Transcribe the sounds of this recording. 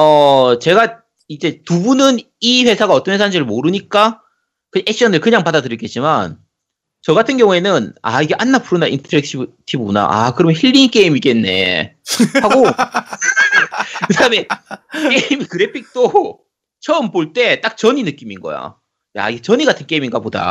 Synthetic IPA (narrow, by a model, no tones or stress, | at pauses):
ʌt͡ɕe̞ɡa | id͡ʑe̞tubunɯn | iɸwe̞sʰaɡaʌt͈ʌnwʰesʰand͡ʑiɾɯɭmoɾɯɲik͈a | kɯʔekɕ͈ʰiʌnɯɭkɯɲaŋpadadɯɾik͈et̚t͡ɕ͈iman | t͡ɕʌɡatʰɯnɡjʌŋue̞nɯna̰iɡeʔanːapʰuɾɯnaḭntʰʌɾek̚t͡ɕʰitʰibɯuna̰ʔa̰kɯɾʌmçiʎːink͈eimik͈e̞nːe̞̰ | haɡo | kɯdaɯme̞ke̞imikɯɾe̞pʰik̚t͈o | t͡ɕʰʌɯmpoɭt͈e̞t͈ak̚t͡ɕʌɲinɯk͈iminɡʌ̰ja̰ | ja̰iɡet͡ɕʌɲiɡatʰɯnke̞iminɡapoda̰